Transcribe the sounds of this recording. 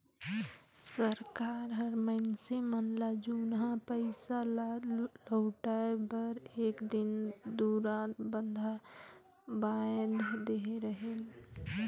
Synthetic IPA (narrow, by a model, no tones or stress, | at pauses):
səɾkaːɾɦəɾməɪnsemənlad͡ʒunɦãpəɪsalləʊʈaebəɾeːkd̪ɪnd̪uɾaːt̪bənd̪ʱa | bad̪d̪eɾəɦel